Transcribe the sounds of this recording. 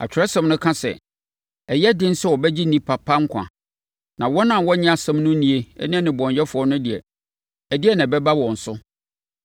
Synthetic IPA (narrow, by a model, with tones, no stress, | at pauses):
a̰˨t͡ɕʰᶣɪ˨ɾɛ˦sɛ̃˨m˦nʊ̃˦kʰã˦sɛ̰˨ | ɛ˨jɛ˦dɪ̃˦n̩˦sɛ˦wɔ˨bɛ˦d͡ʑi˦nĩ˦pʰa˨pʰa˦ŋ̩˦kʷʰã̰˨ | nã˨wɔ˦nã˨wɔ˦ɲɪ̃˦a˨sɛ̃˦mnʊ̃˦nĩ˨e˨ɛ̰˦nɪ̃˦nɪ̃˨bɔ̃˨ɲjɛ˦fʊ˨ɔ˦nʊ̃˦dɪ˨ɛ̰˨ | æ˨dɪ˦ɛ˦˨nã˨bɛ˦ba˦wɔ̃˨n̩˨sʊ˦